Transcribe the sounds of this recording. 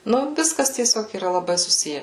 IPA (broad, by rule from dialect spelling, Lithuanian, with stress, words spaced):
ˈnʊ ˈʋʲɪskɐs tʲiɛˈsʲoːk iːˈrɐ lˠɐˈbɐɪ sʊˈsʲɪjɛ